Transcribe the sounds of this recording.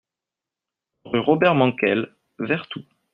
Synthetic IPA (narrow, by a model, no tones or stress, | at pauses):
ʁyʁɔbɛʁmɑ̃kɛl | vɛʁt̪u